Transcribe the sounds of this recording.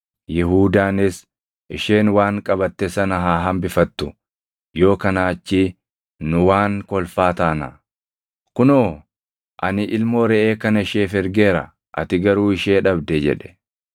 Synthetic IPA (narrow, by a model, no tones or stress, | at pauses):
jɪhuːd̪aːnɪs | ʔɪʃe̞ːnwaːŋkʼɐbɐt̪ːɛsɐnɐɦaːɦɐmbɪfɐt̪ːʊ | jo̞ːkɐnaːt͡ʃːiː | nʊwaːŋkɔlfaːt̪aːna̰ | kʊnoː | ʔɐnɪʔɪlmoːɾɛʔeːkɐnɐɪʃeːfɪɾɡe̞ːɾɐ̰ | ʔɐ̰t̪ɪɡɐɾuːɪʃeːᶑɐbd̪ɛd͡ʒɛ̰ᶑɛ̥